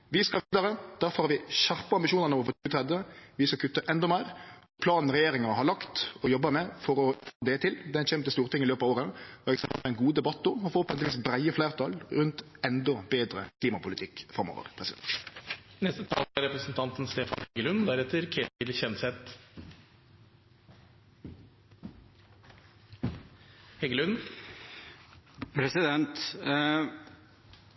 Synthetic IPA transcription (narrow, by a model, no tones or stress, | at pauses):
ʋɪskɑʋiːd̪ɑɾəd̪̥æːfɔhɑːʋɪɕæʁpəɑmbɪʃuːnəɾnoːʋɔfɔʉʋət̪ʰɾɛd̪əʋɪskɑkʰʉt̪ːəʔɛnd̪ɔmæɪɾɔpʰlɑːnn̩ʁɛjeːɾɪŋɑnəhɑɾlɑkt̪ɔjɔbːəmɛfɔɾɔfʰoːd̪ɛt̪ʰɪld̪ɛɛnʃɛmt̪əst̪uːɾt̪ʰɪŋːɪløːpɑʋoːɾəfɔɾɛksɛmpəlfɛɪnɡuːd̪ɛbɑt̪ːɔɔfɔːpɔɛʋiːsbɾæɪəflæɪʁt̪ʰɑlɾʉnt̪ɛnd̪ɔbeːd̪ɾə̰kʰliːmɑpʊlɪt̪ʰɪkːfʁɑmo̰ːʋə̰ʁpʰʁɛsɪd̪ɛ̰nt̪nɛst̪ət̪ʰɑ̰ːlɑɾɛpɾəsənt̪ʰɑnt̪ənst̪eːfɑ̰nhɛɡəlʉnd̪æɾɛt̪ːəɾkʰeːt̪ɪlçɛnsɛt̪ | hɛɡəlʉn | pʰɾɛsɪd̪ɛnt̪